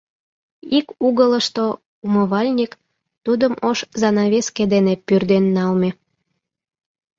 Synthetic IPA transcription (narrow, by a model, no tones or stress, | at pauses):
ikuɣələʃt̪o | umoβɑlʲnʲik | t̪ud̪əmoʃzɑnɑβesked̪enepyrd̪enːɑlme